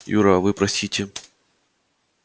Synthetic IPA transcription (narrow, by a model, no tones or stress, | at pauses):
jṵɾavɨpɾɐsʲitʲɪ